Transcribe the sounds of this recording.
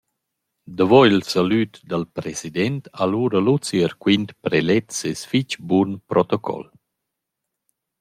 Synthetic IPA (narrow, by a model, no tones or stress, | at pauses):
d̪əvɔilsalyt̪d̪əlpɾɛsid̪ɛnt̪ʰaluːɾəlut͡siəɾkwint̪pɾɛlɛt̪sɛsfit͡ʃbunpɾɔt̪ɔkʰɔ̰l